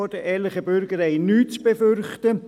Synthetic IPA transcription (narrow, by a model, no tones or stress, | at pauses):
ɔd̥əɛːlɪχəbʏɾɡəɾɛɪnyːt͡sb̥efʏɾχtə